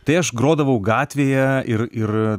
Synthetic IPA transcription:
t̪ɐɪɐʃɡɾoːd̪ɐʋɐʊɡɑːt̪ʲʋʲeːjɛɪrɪr

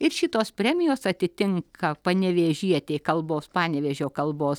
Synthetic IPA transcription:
ɪrʃʲɪt̪oːspʲrʲæːmʲɪjoːsɐt̪ʲɪt̪ʲɪŋkʰɐpɐnʲɛʋʲeːʒʲiɛt̪ʲeːkɐlˠboːspɑːnʲɛʋʲeːʒʲoːkɐlˠboːs

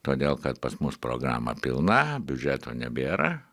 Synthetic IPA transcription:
t̪oːd̪ʲeːlˠkɐt̪pɐsmʊspɾo̰ːɡɾɑ̰ːmɐ̰pʲɪlˠnɐbʲʊd͡ʒʲæːt̪oːnʲɛbʲeːɾɐ

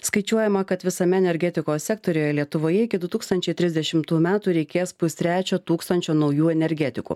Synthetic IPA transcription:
skɐɪt͡ʃʲuɔjɛmɐkɐt̪ʋʲɪsɐmʲɛɛnʲɛɾʲɡʲɛt̪ʲɪkoːsʲsʲɛk̚t̪oːɾʲoːjɛlʲiɛt̪ʊʋoːjɛɪkʲɪd̪ʊt̪uːkst̪ɐnʲt͡ʃʲɛɪt̪ʲɾʲɪzʲd̪ʲɛʃʲɪmt̪uːmʲæːt̪uːɾʲɛɪkʲeːspʊsʲt̪ʲɾʲæːt͡ʃʲoːt̪uːkst̪ɐnʲt͡ʃʲoːnɒʊjuːɛnʲɛɾʲɡʲɛt̪ʲɪkṵ

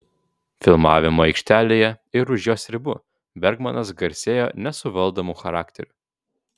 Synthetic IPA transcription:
fʲɪlˠmɑːʋʲɪmoːɛɪkʃʲt̪ʲæːlʲeːjɛɪɾʊʒjoːsʲɾʲɪbʊ | bʲɛɾɡmɐnɐsɡɐɾʲsʲeːjo̰ːnʲɛsʊʋɐlˠd̪omʊxɐɾɑːkt̪ʲɛɾʲʊ

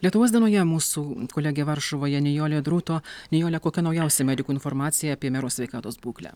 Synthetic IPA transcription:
lʲiɛt̪ʊʋoːsd̪ʲiɛnoːjɛmuːsuːkoːlʲæɡʲɛʋɐɾʃʊʋoːjɛnʲɛjoːlʲeːd̪ɾut̪oːnʲɛjoːlʲɛkoːkʲɛnɐʊjɛʊsʲɛmʲɛd̪ʲɪkuːɪnfɔɾmɑːt̪sʲɪjɛːpʲiɛmʲɛɾoːsʲʋʲɛɪkɑːt̪oːsbuːklʲæ̰ː

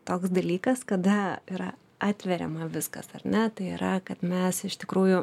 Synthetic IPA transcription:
t̪oːksd̪ɐlʲiːkɐskɐd̪ɐiɾɐ | ɑːt̪ʲʋʲɛɾʲɛ̰mɐʋʲɪskɐ̰sɐrnʲɛt̪ɐɪiɾɐkɐt̪mʲɛsɪʃt̪ʲɪkɾuːjʊ

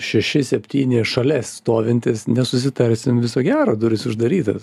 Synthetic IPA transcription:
ʃʲɛʃʲɪsʲɛpʲt̪ʲiːnʲɪʃɐlʲɛsst̪oːʋʲɪnʲt̪ʲɪsnʲɛsʊsʲɪt̪ɐɾʲsʲɪmʋʲɪsoːɡʲæːɾoːd̪ʊɾʲɪsʊʒd̪ɐɾʲiːt̪ɐ̰s

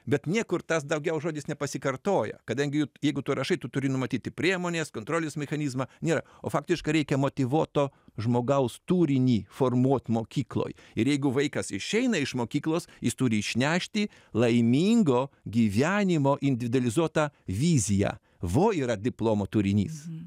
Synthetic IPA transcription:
bʲɛt̪nʲiɛkʊɾt̪ɐs̬d̪ɐʊɡʲɛʊʒoːd̪ʲɪsnʲɛpɐsʲɪkɐrt̪oːjɛ̰kɐd̪ɐŋʲɡʲɪjujɛɪɡʊt̪uːɾʔɐʃɐɪt̪ʊt̪ʊɾʲɪnʊmɐt̪ʲiːt̪ʲɪpʲɾʲiɛmoːnʲeːskoːnt̪ɾoːlʲesmʲɛxɐnʲiːzmɐːnʲeːɾɐ | oːfɑːkt̪ʲɪʃkɐɪɾʲɛɪkʲɛmoːt̪ʲɪʋuɔt̪oːʒmoːɡɐʊst̪uːɾʲɪnʲiːfoːrmuɔt̪ʲmoːkʲiːklˠo̰ːjɪɾjɛɪɡʊʋɐɪkɐsɪʃʲɛɪnɐɪʃmoːkʲiːklˠoːsjɪst̪uːɾʲɪɪʃʲnʲæːʃʲt̪ʲɪ | lˠɐɪmʲiːŋɡoːɡʲiːʋʲæːnʲɪmoːʔɪnʲd̪ʲɪʋʲɪd̪ʊɐlʲɪzuɔt̪ɐʋʲiːzʲɪjæ̰ː | ʋoːiːɾɐd̪ʲɪplˠoːmoːt̪uːɾʲɪnʲḭːs

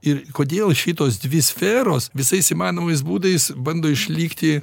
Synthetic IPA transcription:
ɪrkoːd̪ʲeːlˠʃʲɪt̪oːsd̪ʲʋʲɪsʲfʲɛːɾoːsʋʲɪsɐɪsimɑːnoːmɐɪs̬buːd̪ɐɪsbɐnd̪oːɪʃʲlʲiːkt̪ʲɪ

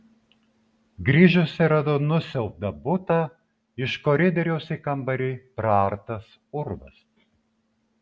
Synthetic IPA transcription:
ɡɾʲiːʒʊsʲɪɾɐd̪ɔnʊsʲɛlˠp̚d̪ɐbʊt̪ɑː | ɪʃkɔɾʲɪd̪ʲɛɾʲɛʊsʲikɐmbɐɾʲiːpɾɑːɾt̪ɐs | ʊɾʋɐ̰s

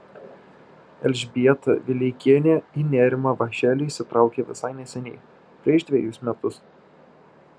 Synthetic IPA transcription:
ɛlʲʒʲbʲiɛt̪ɐ̰ʋʲɪlʲɛɪkʲiɛnʲeinʲæːɾʲɪmɐʋɐʃʲæːlʲɪsʲɪt̪ɾɑˑʊkʲeʋʲɪsɑɪnʲɛsʲɛnʲɛɪ | pʲɾʲɛʃd̪ʲʋʲɛjʊsʲmʲɛt̪ʊs

